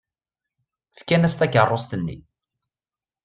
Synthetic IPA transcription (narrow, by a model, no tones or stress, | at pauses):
fkænæst̪æçərˤːost̪ənːḭ